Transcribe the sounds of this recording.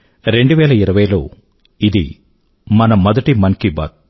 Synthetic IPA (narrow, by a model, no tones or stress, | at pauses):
ɾe̞ɳɖuʋɛːlɐiɾɐʋɐjlo̰ː | id̪ḭ | mɐnɐmɔd̪ɐʈimɐnkiba̰ːt̪̚